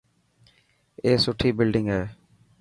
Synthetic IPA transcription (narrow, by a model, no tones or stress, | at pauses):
eːsʊʈʰiːbɪlɖɪ̃ŋɡɦeː